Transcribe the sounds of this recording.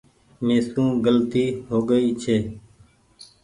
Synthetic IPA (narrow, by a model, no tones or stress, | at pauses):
meːsũːɡəlt̪iːɦoːɡəiːt͡ʃʰeː